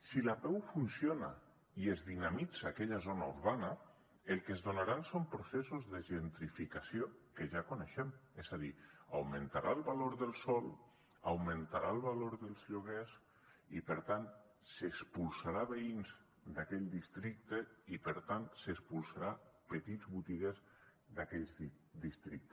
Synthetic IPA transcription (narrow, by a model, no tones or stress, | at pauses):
silapɛwfunsjona̰ | iezðinamid͡zaːkɛʎazonaṵɾβana | elˠkezðonaɾansompɾosesuzðeʒent̪ɾifikasiokeʒakoneʃɛmɛzaðia̰wment̪aɾʔaəlˠβaloɾðəlˠsɔlˠ | awmẽnt̪aɾaəlˠβaloɾðəlˠzʎuɣɛz | ipəɾt̪an | sespulˠsaɾaβeinz | d̪akɛʎd̪ist̪ɾik̚t̪eipəɾt̪ansekspulˠsaɾapet̪id͡zβut̪iɣ̞ez | d̪akɛʎzi | d̪ist̪ɾik̚t̪